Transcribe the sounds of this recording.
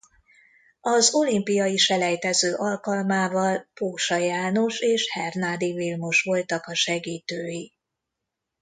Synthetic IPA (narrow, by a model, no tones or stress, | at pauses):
ɒzo̞limpijɒiʃɛlɛjt̪ɛzøːʔɒlkɒlmaːvɒlpoːʃɒjaːno̞ʃeːʃhɛrnaːd̪ivilmuʃʋo̞lt̪ɒkɒʃɛɡiːt̪øːji